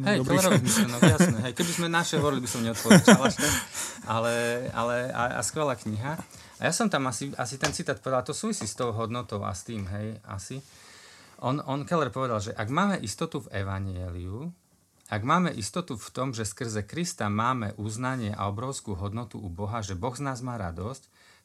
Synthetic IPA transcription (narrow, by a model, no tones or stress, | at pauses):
ɦɛjkɛlɛɾɾɔʋzmiʃlɛnɔɡjasnɛɦɛjkɛbizmɛnaʃɛʋɔɾilibisɔmɲɛɔt̪pɔɛt͡ʃalaʃt̪ɛʔalɛa̰lɛa̰a̰skʋɛlaːkɲiɦa | a̰jasɔmt̪amasiasit̪ɛnt͡sit̪aːt̪pɔʋɛd̪alt̪ɔsuːʋisiːst̪ɔʊɦɔd̪nɔt̪ɔʊʔa̰st̪iːmɦɛja̰si | ʔɔnɔnkɛlɛɾpɔʋɛd̪alʒɛʔaɡmaːmɛʔist̪ɔt̪uvɛʋaɲɪɛliu | aɡmaːmɛʔist̪ɔt̪uft̪ɔmʒɛskr̩zɛkɾist̪amaːmɛʔuznaɲɪɛʔa̰ɔbɾɔʊskuːɦɔd̪nɔt̪ṵubɔɦaʒɛbɔɣznaːzmaːɾa̰d̪ɔsc